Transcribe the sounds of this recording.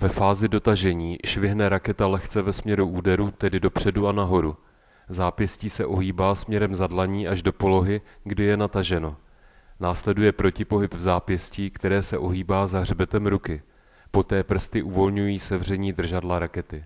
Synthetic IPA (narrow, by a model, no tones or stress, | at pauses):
vɛfaːzɪdo̞t̪aʒɛɲiːʃvɪɦnɛɾakɛt̪alɛxt͡sɛvɛsmɲɛɾuʔuːdɛɾuːt̪ɛdɪdo̞pr̝̥ɛduanaɦo̞ɾu | zaːpjɛsciːsɛʔo̞ɦiːbaːsmɲɛɾɛmzadlaɲiːʔaʒdo̞po̞lo̞ɦɪɡdɪjɛnat̪aʒɛno̞ | naːslɛdujɛpɾo̞cɪpo̞ɦɪpvzaːpjɛsciːkt̪ɛɾɛːsɛʔo̞ɦiːbaːzaɦr̝bɛt̪ɛmɾukɪ | po̞t̪ɛːpr̩st̪ɪʔuvo̞lɲujiːsɛvr̝ɛɲiːd̪r̩ʒadlaɾakɛt̪ɪ